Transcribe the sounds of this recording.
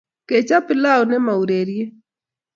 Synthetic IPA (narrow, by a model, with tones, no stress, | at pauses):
ke˨t͡ʃa˦pɪ˦la˦wnɛ˦ma˨u˨ɾe˨ɾje˦